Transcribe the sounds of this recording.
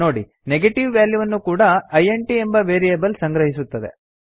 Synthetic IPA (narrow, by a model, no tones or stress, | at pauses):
o̞ːɽḭ | neɡeʈiʋʋjaːljuʋɐnːukuːɽɐɐjeɳʈie̞mbɐʋeːɾiebɐlsɐŋɡɾɐɦis̬ut̪ːɐd̪e̞̰